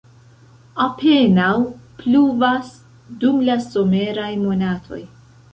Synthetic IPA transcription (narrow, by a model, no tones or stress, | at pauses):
apʰe̞nawpluvas | dumlaso̞me̞ɾajmo̞natʰo̞̰j